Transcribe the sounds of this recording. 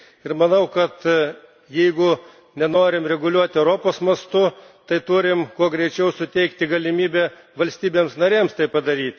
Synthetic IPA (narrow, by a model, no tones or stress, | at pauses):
ɪɾmɐnɐʊkɐt̪ | jɛɪɡʊ | nʲɛnoːɾʲɪmɾʲɛɡʊlʲuɔt̪ʲɛʊɾoːpoːsmɐst̪ʊt̪ɐɪt̪ʊɾʲɪmkuɔɡɾʲɛɪt͡ʃʲɛʊsʊt̪ʲɛɪkt̪ʲɪɡɐlʲɪmʲiːbʲɛ | ʋɐlʲsʲt̪ʲiːbʲeːmsnɐɾʲeːmst̪ɐɪpɐd̪ɐɾʲiːt̪ʲ